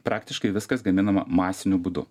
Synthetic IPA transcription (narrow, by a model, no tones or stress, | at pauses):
pɾɑːkt̪ʲɪʃkɐɪʋʲɪskɐsɡɐmʲɪnɐmɐ̰mɑːsʲɪnʲʊbuːd̪ʊ̰